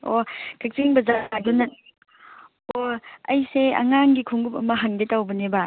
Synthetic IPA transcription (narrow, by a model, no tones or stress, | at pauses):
okʰak̚t͡ʃiŋbɐzadunɐt̚ | oɐjseɐ̰ŋaŋɡikʰuŋɡupɐmɐɦaŋdetawbɐneba